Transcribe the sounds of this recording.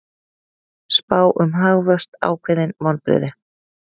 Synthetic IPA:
spaːwʔʏmɦaɣvœst̪a̰ːwkʰvɪðɪnmɔnpɾɪ̰ːðɪ

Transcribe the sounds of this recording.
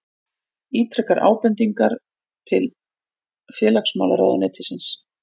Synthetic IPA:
iːt̪ʰɾɛkːaɾʔa̰ːwpɛnt̪iŋkaɾ | t̪ʰɪl | fjɛːlaksma̰ːlaɾa̰wðanɛːt̪ʰɪsɪns

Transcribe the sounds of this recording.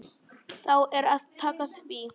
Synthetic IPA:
θawʔɛɾaðt̪ʰaːkaθvi

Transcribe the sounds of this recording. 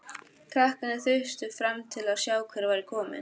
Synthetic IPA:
kʰɾahkanɪθœɥst̪ʏfɾamt̪ʰɪlaðsjaːwkʰvɛɾvaːjɾɪkʰɔːmɪ̰n

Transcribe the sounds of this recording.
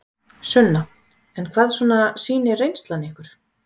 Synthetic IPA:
sʏnːa | ɛnkʰvaːðsvɔːnasiːnɪrejnst̪lanɪɛhkʏɾ̥

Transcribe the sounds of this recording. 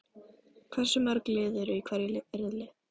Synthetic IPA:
kʰvɛɾ̥sʏmœɾklɪːðʏɾʏikʰvɛɾjɪlɪɛɾðlɪ

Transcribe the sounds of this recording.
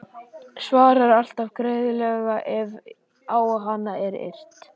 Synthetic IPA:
svaːɾaɾal̥t̪avkɾeːjðʏlɛːɣaʔɛv | aːwaɦanːaɛɾḛr̥t̪

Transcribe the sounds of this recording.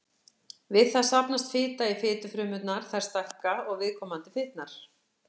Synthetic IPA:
vɪðθaðsapnast̪fɪːt̪aifɪːt̪ʏfɾʏːmʏt̪naɾ̥θaɛ̥ɾ̥st̪ahkaɔɣvɪðkʰɔːmant̪ɪfɪːt̪naɾ̥

